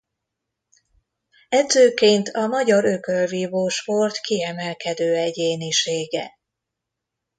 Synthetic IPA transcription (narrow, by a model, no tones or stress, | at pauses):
ɛd̪zøːkeːnt̪ʰɒmɒɟɒɾøkølviːvoːʃpo̞rt̪kiɛmɛlkɛd̪øːɛɟeːniʃeːɡɛ̰